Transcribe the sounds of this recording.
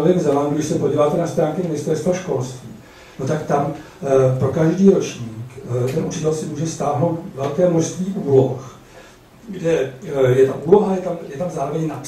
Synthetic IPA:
ovɪmzɛlanduɡdɪʃsɛpoɟiːvaːt̪ɛnast̪ɾaːŋkɪmɪnɪst̪ɛɾst̪voʃko̞lst̪vḭː | no̞t̪akt̪am | pɾo̞kaʒdiːɾo̞t͡ʃɲiːkt̪ɛnʔut͡ʃɪt̪ɛlsɪmuːʒɛst̪aːɦno̞wt̪vɛlkɛːmoʃst̪viːʔuːlo̞x | ɡdɛjɛt̪aʔuːlo̞ɦajɛt̪amjɛt̪amzaːɾo̞vɛɲnap

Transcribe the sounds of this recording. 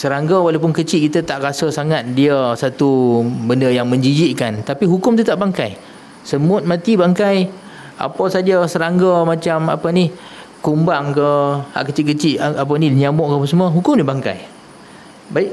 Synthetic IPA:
səɾaŋɡəwalap̬ʊnkət͡ʃɪʔkit̪ət̪aʔɾasəsaŋat̪̚diəsat̪ubəndəjaŋmə̃ɲd͡ʒid͡ʒiʔkant̪apiɦukʊmt̪ət̪aʔbaŋka̰j | səmʊt̪̚mãt̪ibaŋkaj | ʔa̰pəsad͡ʒəsəɾaŋɡəmat͡ʃama̰pənih | kumbaŋkəa̰ʔkət͡ʃɪʔk̬ət͡ʃiʔap̬ənilɲamɔʔkapəsəmuəɦukʊmnibaŋka̰j | baiʔ

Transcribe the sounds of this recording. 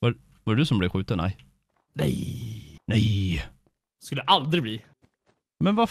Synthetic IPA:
va | vɑɾd̪ɵsɔmblɛɧʉ̟ːt̪ənːæ̰j | nɛ̰jnɛj | skɵlːɛʔald̪ɾɪɡb̪iː | mɛnva

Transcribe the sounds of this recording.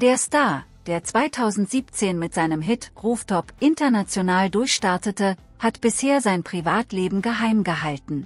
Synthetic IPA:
d̥eːɐstaɐd̥eːɐt͡sv̥aɪtʰaʊzn̩tz̥iːp̚t͡seːnmɪtz̥aɪnəmɦɪtʁuːftʰɔpʔɪntɐnat͡sjonaːldʊɐçʃtaɐtətə | hatb̥ɪsheːɐzaɪnpʁ̥ivaːtleːbm̩ɡəɦaɪmɡəɦaltn̩

